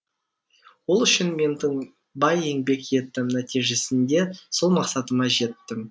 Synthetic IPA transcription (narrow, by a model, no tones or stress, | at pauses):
wo̞lˠʏʃɪnme̞nd̪ɪɴ | bɑje̞ŋbe̞kje̞t̪ːɪmnæt̪ijʒe̞sɪnd̪e̞so̞lˠmɑqsɑt̪əmɑʒe̞t̪ːɪm